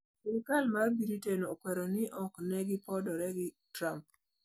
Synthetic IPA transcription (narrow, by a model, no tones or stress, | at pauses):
ɪlkalmabiɾitenokwɛɾɔnɪʔɔknɛɡɪpɔdɔɾɛɡɪ | tɾamp̚